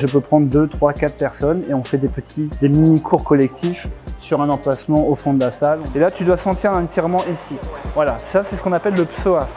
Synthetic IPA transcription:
ʒəpøpχɑ̃d̪ʁd̪øt̪χwakat̪χpɛʁsɔneɔ̃fɛd̪epət̪ʰid̪eminikʰuʁkɔlɛk̚t̪ʰifsyʁɛ̃nɑ̃plasmɑ̃ofɔ̃d̪əlasalelat̪yd̪wasɑ̃t̪iʁ̃t̪jɛʁmɑ̃ʔisivwalasasɛsə̥kɔ̃napɛlːəpsoaf

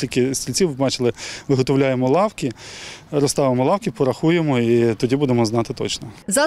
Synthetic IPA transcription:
ilʲkɪsʲtʲilʲt͡sʲiwbɑt͡ʃɪlˠɪʋɪɦɔt̪ɔwlʲajemɔlˠɑwkʲiɾɔst̪ɑʋɪmɔlˠɑwkʲipɔɾɐxujemɔit̪ɔdʲibud̪emɔznɑt̪ɪt̪ɔ̰t͡ʃnɔzɐ

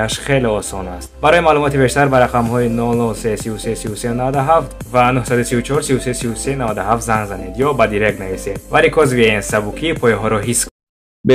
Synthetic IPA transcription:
aʃχe̞leɔsɔnast̪baɾɔjimalumɔt̪ibe̞ʃt̪aɾbaɾaqamhɔinɔlɔsesivusesiusenavad̪aɦaft̪vanuhsad̪usivut͡ʃʰɔɾsivusesivusenavad̪uhaft̪zaŋɡzaned̪jɔbad̪iɾek̚t̪navised̪̚vaɾikʰɔzviensabukʰipʰɔjiɦɔɾɔɦisk | b

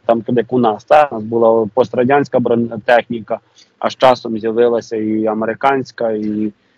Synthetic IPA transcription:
t̪ɑmkɔd̪ɪjɐkʊnɑst̪ɑnɑsbʊlˠapɔst̪ɾɐdʲanʲsʲkɐbɔnt̪ɛxnʲikɐ | ɐ̰ʃt͡ʃɑsɔmzʲjɐʋɪlˠɐsʲɐiɐmeɾɪkɑnʲsʲkɐi

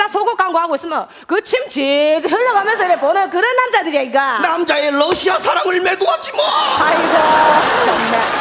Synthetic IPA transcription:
asʰoɡok͈aŋɡohaɡois͈ɯmjʌn | kɯt͡ɕʰimt͡ɕed͡ʑɯɦɯɭːʌɡamjʌnsʰʌiɾeponɯnk̬ɯɾʌnːamd͡ʑadɯɾiaik͈anamd͡ʑaelʌɕʰiasʰaɾaŋɯɭmedoat͡ɕ͈imoajiɡot͡ɕʰiamːe

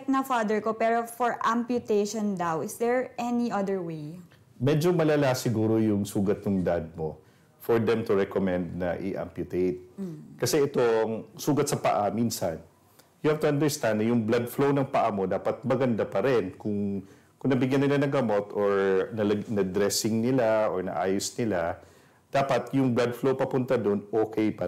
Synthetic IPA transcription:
k̚nɐfad̪ɛɹkopɛːɾofɔɹʔampjʊt̪ejʃɔ̃nd̪awɪsd̪ɛɹɛniʔɐd̪ɛɹwej | mɛːd͡ʒomɐlalasɪɡuːɾojʊŋsuːɡɐt̪̚nʊŋd̪ad̪̚mo̞ | fɔɹd̪ɛmt̪ʊɹɛkomɛ̃nd̪̚nɐ̰ʔɪ̰ʔa̰mpjʊt̪ejt̪̚kɐsɛɛt̪oŋsuːɡɐt̪̚sɐpɐʔamiːnsɐn | jʊhɐb̚t̪ʊɐnd̪ɛɹst̪and̪nɐjʊŋblad̪̚flownɐŋpɐʔamo̞d̪aːpɐt̪̚mɐɡɐnd̪apɐɾɛnkʊŋ | kʊŋnɐbɪɡjanːɪlanɐŋɡɐmo̞t̪oɹnɐnɐd̪ɾɛsɪŋnɪlaʔoɹnɐ̰ʔaːjosnɪla | d̪̥aːpɐt̪jʊŋblad̪flowpɐpʊnt̪ɐd̪o̞nʔoːkɛjpɐ

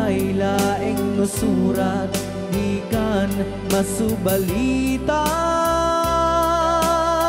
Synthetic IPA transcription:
jlaːʔɪŋnʊsuːɾat̪̚ | d̪iːkan | mɐsʊbɐlit̪a

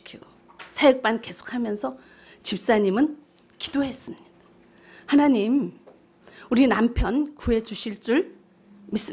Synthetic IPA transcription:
kʰiɡ̥o | sʰajɯk̚p͈anke̞sʰo̥k̚hamjʌnsʰʌ | t͡ɕip̚s͈aɲimɯn | ki̥doɦe̞s͈ɯmɲid̥a | hanaɲim | uɾinampʰjʌnkue̞t͡ɕuɕʰiɭt͡ɕ͈uɭ | mis͈

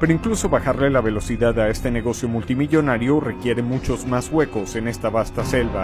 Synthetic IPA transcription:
peɾoiŋkluso̞βaxaɾle̞laβe̞lo̞siðaðae̞st̪e̞ne̞ɣo̞sjo̞mult̪imiʝo̞naɾjo̞re̞kje̞ɾemut͡ʃo̞zmazɣwe̞ko̞se̞ne̞st̪aβast̪ase̞lβa

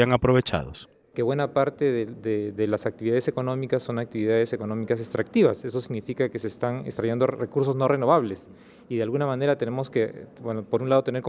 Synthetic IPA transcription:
aŋapɾoβe̞t͡ʃa̰ðo̰s | keβwe̞napaɾt̪eðeðeðelasak̚t̪iβiðaðe̞se̞ko̞nõ̞mikasːo̞ŋak̚t̪iβiðaðe̞se̞ko̞no̞mikas̬est̪ɾak̚t̪iβase̞so̞siɣnifikake̞sest̪aŋḛkst̪ɾaʝend̪orekuɾs̬o̞zno̞re̞no̞βaβle̞s | iðealɣunamãne̞ɾat̪e̞ne̞mo̞skebwenopo̞ɾunlað̞o̞t̪e̞ne̞ɾk

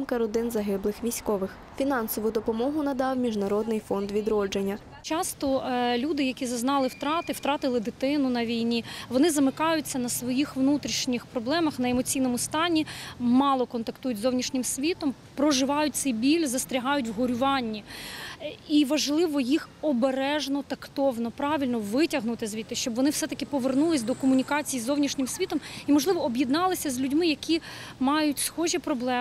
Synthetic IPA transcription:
mkɐɾɔd̪ɪnzɐɦɪblˠɪxʋʲijsʲkɔʋɪx | fʲinɑnsɔʋʊd̪ɔpɔmɔɦʊnɐd̪ɑwmʲiʒnɐɾɔd̪nɪjfɔnd̪ʋʲid̪ɾɔd͡ʒenʲːɐ | t͡ʃɑst̪ɔlʲud̪ɪjɐkʲizɐznɑlˠɪwt̪ɾɑt̪ɪwt̪ɾɑt̪ɪlˠɪd̪ɪt̪ɪnʊnɐʋʲijnʲiʋɔnɪzɐmɪkɑjʊt͡sʲːɐnɐsʋɔjixʋnut̪ɾʲiʃnʲixpɾɔblˠɛmɐxnɐemɔt͡sʲijnɔmʊst̪ɑnʲimɑlˠɔkɔnt̪ɐkt̪ujʊtʲzɔwnʲiʃnʲɪmsʲʋʲit̪ɔm | pɾɔʒɪʋɑjʊt̪̚ʲsɛjbʲilʲzɐst̪ɾʲɪɦɑjʊtʲwɦɔɾʲʊʋɑnʲːi | iʋɐʒlˠɪʋɔjixɔbeɾɛʒnɔt̪ɐkt̪ɔʋnɔpɾɑʋʲilʲnɔʋɪtʲɐɦnʊt̪ɪzʲʋʲit̪ːɪʃt͡ʃɔbʋɔnɪwfsɛt̪ɐkɪpɔʋernulˠɪsʲd̪ɔkɔmʊnʲikɑt͡sʲijizɔwnʲiʃnʲɪmsʲʋʲit̪ɔmimɔʒlˠɪʋɔːbjid̪nɑlˠɪsʲɐzʲlʲʉdʲmɪjɐkʲimɑjʊtʲsxɔʒʲipɾɔblˠɛ

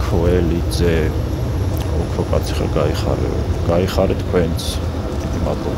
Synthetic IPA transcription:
kʰɔɛlizɛ | ɔkʰɾɔkʼat̪sʰi̥χa̰ɡaiχa̰ɾɛ̰ɔ̰ɡ̥aiχaɾɛt̪ʰkʰwɛnt̪sʰ | d̪id̪imad̪lɔb

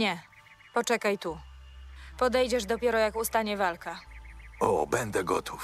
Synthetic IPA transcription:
ɲɛ | pɔt͡ʂɛkajt̪u | pɔd̪ɛjd͡ʑɛʐd̪ɔpʲjɛɾɔjakust̪aɲɛvalka | ɔ̰bɛnd̪ɛɡɔt̪ʰuf

